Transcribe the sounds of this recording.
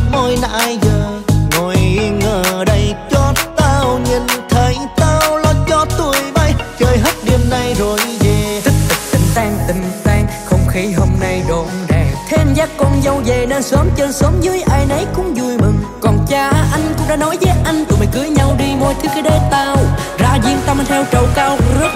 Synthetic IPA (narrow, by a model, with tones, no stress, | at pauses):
mo˧jna̰ː˧jzəː˧˩ŋo˨˩jŋəː˧˨˩ɗə˧jt͡ɕɔ˧t̪aː˧wɲi˨˩nt̪ʰə˨˦jt̪aː˧wlɔ˧t͡ɕɔ˧t̪u˧əjɓa˧jt͡ɕəː˧˨˩jɦə˦˥t̚ɗi˨˧əmna˧jzo˨˩jve˨˩i˦˥k̚t̪ɨ˨˩k̚t̪ï˨˩ŋ̟t̪aː˧ŋt̪ï˨˩ŋ̟t̪aː˧ŋxə˧wŋ͡mxi˨˦ɦo˧mna˧jɗo˨˦mɗaː˨˩ŋt̪ʰe˧mzaː˦˥kkːɔ˧nzə˧wzə˨˩nə˧nsəː˨˦mt͡ɕə˧nsəː˨˦mzɨ˨˦jʔaː˧jnə˨˦jkʊ̰˧˥ŋ͡mzu˨˩əjmɨ˨˩ŋkɔ˨˩nt͡ɕaː˧˩ʔa˧jŋ̟kʊ̰˧˥ŋ͡mɗa̰ː˧˥nɔ˨˦jzəː˨˦ʔa˧jŋ̟t̪u˨˩mə˨˩jkɨ˨˦əjɲa˧wɗi˧mo˧jt̪ʰɨ˨˦kɛ˨˧˦ɗe˨˦t̪aː˧w | zaː˧zi˧əŋt̪a˧wma˨˩t̪ʰɛ˧wt͡ɕə˨˩wkaː˧wzə˦˥t̚